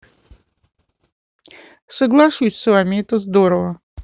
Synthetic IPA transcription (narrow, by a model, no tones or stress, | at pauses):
səɡlˠaʂusʲsvamʲɪɛt̪əzd̪oɾəvə